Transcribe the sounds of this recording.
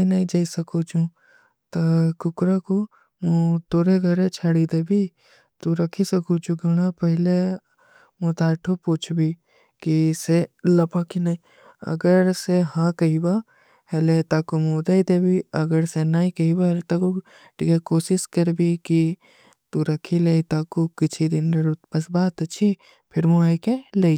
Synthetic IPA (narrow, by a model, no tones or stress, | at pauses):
inɐĩd͡ʒaːisɐkʰot͡ʃʰũ | t̪ɐkʊkɾako | mõt̪oːɾeɡʱɐɾet͡ʃʰaːɽid̪ebʱi | t̪uɾɐkʰisɐkʰut͡ʃʰũɡɐñapɐɦɪle | mõt̪aːʈʰopoːt͡ʃʰbʱi | kiselɐpakinaĩ | ɐ̰ɡəɾseɦãkɐɦiba | helet̪aːkumod̪aid̪ebʱiɐɡəɾsenaːikɐibalet̪aku | ʈʰikekoːsɪskɐɾbʱiki | t̪uɾɐkʰileit̪aːkukɪt͡ʃʰid̪ɪnɾɐɾut̪pɐsbaːt̪ɐt͡ʃʰi | pʰɪɾmuaːjkelei